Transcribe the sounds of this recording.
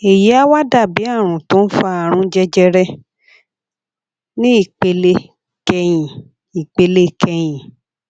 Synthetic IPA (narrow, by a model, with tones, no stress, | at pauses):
e˨ji˨˦a˦wa˦da˦˨bi˨˦a˦˨ɾ̃ũ˨tõ˨˦n̩˦fa˦˧a˨ɾ̃ũ˧˦d͡ʒɛ˦d͡ʒɛ˧ɾɛ˦ | nĩ˦i˦˨k͡pe˧le˧˦ | kɛ˧j̃ĩ˨ | i˨k͡pe˧le˦kʰɛ˧j̃ĩ˨